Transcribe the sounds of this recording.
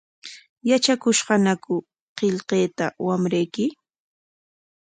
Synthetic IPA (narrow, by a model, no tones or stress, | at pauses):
jat͡ʃakʊʃɢɑnakʊ | qeʎqeːt̪awamɾejkɪ